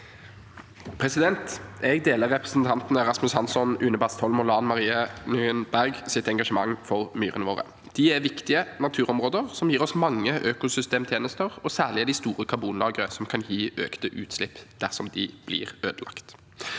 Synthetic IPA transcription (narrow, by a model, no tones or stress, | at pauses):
pʰɾɛsɪd̪ɛnt̪ɛɡd̪eːləʁːɛpʁɛsn̩t̪ʰɑnt̪nəɾɑsmʉshɑnsɔnʉnəbɑst̪ʰɔlmʊlɑːnmɑʁiːənʏənbæʁɡsɪt̪ɛŋɡɑʃəmɑŋːfɔʁmyːʁənəʋoːʁə̰ | d̪̥ɪæʁʋɪkt̪ɪənɑt̪ʰʉːʁɔmʁoːd̪əʁsɔmjiːɾɔsmɑŋːəʔøːkʊsʏst̪eːmt̪ʰjeːnəst̪əʁɔsæːʁlɪɛd̪ɪst̪uːʁəkʰɑbuːnlɑːɡəʁəsɔmkʰɑnjiːʔø̰ːkt̪əʔʉ̰ːt̪slɪpːd̪̥æʁsɔmd̪ɪb̥lɪ̰ːʁøːd̪əlɑ̰kt̪